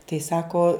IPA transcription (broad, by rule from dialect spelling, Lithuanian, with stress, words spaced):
tɐɪ ˈsɑːkoː